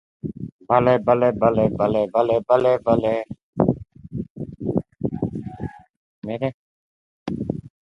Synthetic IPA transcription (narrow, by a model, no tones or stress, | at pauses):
bəleːbəleːbəleːbəleːbəleːbəleːbəleː | meːɾeː